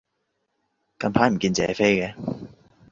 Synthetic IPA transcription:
kɐ˧npʰaː˨˥m̩˨˩kiː˧nt͡sɛ̰ː˨˧fe˥jkɛ˨˧

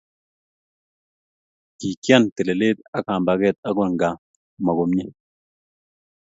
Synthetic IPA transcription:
ki˨kja˦nt̪e˨le˨le˦t̪a˦ka˨mba˨ɡɛ˦t̪̚a˦ɡɔ˨nɡa˨ | ma˨ɡo˨mɲe˦

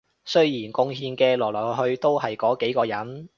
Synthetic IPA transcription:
sɵ˥ɥjiː˨˩nkʊ˥ŋɦiː˧nkɛː˧lɔː˨˩lɔː˨˩˨ɦhɵ˧ɥt̪o˥whɐ˨jkɔː˨˥ke˨˥jkɔː˧jɐ˨˥n

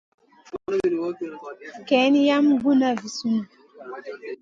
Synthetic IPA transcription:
kɛ˨˦ni˦ja˦mɡu˦na˦vi˨su˦nu˨

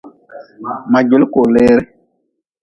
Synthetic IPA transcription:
ma˨ɟo˨lu˦ko˨leː˦ɾe˦

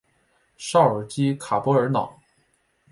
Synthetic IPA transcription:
ʂɑ˥˩ʊə˞˨˩t͡ɕi˥kʰa˨˩pwɔ˧˥ə˞˧˥nɑ̰˨˩˦

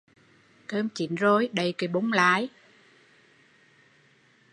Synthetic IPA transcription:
k̪əː˧mt͡ɕḭ˨˩˦nzo˧˩jɗə˨˩jkə˨˦ɓo˨˦ŋ͡mlaː˨˦j

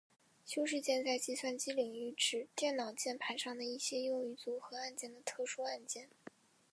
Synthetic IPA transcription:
ɕjo˥ʊʂ̬ɻ̩˥˧t͡ɕjɛ˥˧nt͡sa˥˧ɪt͡ɕi˥˧swa˥˧nt͡ɕi˥li˨˩ŋy˧˥˩ʈ͡ʂɻ̩˨˩t̪jɛ˥˩nnɑ˨˩ʊt͡ɕjɛ˥˩npʰa˧˥ɪʂɑ˥˩ŋd̪ə˩i˥˩ɕjɛ˥jʊ˥˧ŋy˧˩t͡su˧˥xɤ˧˥a˥˧nt͡ɕjɛ˥˩nd̪ə˩t̪ʰɤ˥˧ʂu˥a˥˧nt͡ɕjɛ˥˩n

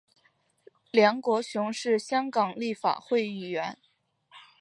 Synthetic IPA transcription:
ljɑ˧˥ŋkwɔ˧˥ɕjʊ˧˥ŋʂɻ̩˥˩ɕjɑ˥ŋkɑ˨˩ŋli˥˩fa̰˨˩xwe˥˧ɪy˥˩ɥɛ˧˥n

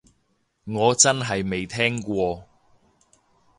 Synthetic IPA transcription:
ŋɔː˨˧t͡sɐ˥nɦɐ˨jme˨jt̪ʰɛː˥ŋkʷɔː˧

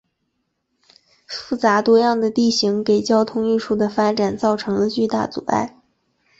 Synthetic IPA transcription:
fu˥˩t͡sa˧˥t̪wɔ˥jɑ˥˩ŋd̪ə˩t̪i˥˩ɕi˧˥ŋke˨˩ɪt͡ɕjɑ˥ʊt̪ʰʊ˥ŋy˥˧ʈ͡ʂʰu˥˩d̪ə˩fa˥ʈ͡ʂa˨˩nt͡sɑ˥˩ʊʈ͡ʂʰɤ˧˥ŋlə˧t͡ɕy˥˧t̪a̰˥˩t͡sṵ˨˩a̰˥˩ɪ

